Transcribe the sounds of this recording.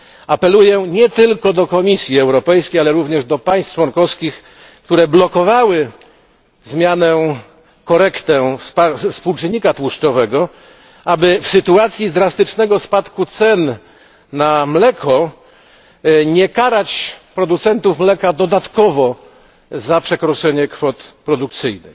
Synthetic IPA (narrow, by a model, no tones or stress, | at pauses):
apɛlujɛɲɛt̪ɘlkɔd̪ɔkɔmʲisʲjiɛwɾɔpɛjskʲejalɛɾuvɲɛʐd̪ɔpaj̃st̪t͡ʂwɔnkɔfskʲix | kt̪uɾɛblɔkɔvawɘ | zmʲjanɛ | kɔɾɛkt̪ɛ̃spaspuwt͡ʂɘɲːikat̪wuʂt͡ʂɔvɛɡɔ | ʔabɘfsɘt̪uat̪sʲjizd̪ɾast̪ɘt͡ʂnɛɡɔspat̪kut̪sɛnː | amlɛkʰɔ | ɲɛkaɾat͡ɕpɾɔd̪ut̪sɛnt̪ufmlɛkad̪ɔd̪at̪kɔvɔ | zapʂɛkɾɔt͡ʂɛɲɛkfɔt̪pɾɔd̪uk̚t̪sɘjnɨ̰x